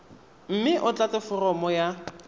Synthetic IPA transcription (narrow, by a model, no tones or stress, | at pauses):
m̩mɪʔʊt͡ɬʼat͡sɛfʊrɔmɔja